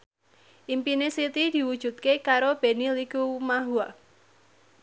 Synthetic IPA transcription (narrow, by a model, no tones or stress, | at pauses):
ʔimpinesit̪id̪̥i̤wud̥ʒ̥ṳt̪̚kekaɾob̥e̤nilikumaɦua